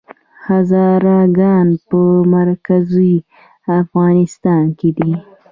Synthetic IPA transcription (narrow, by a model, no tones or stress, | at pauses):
hazɑɾɑɡɑnpəmaɾkazuj | afɣɑnɪst̪ɑnked̪i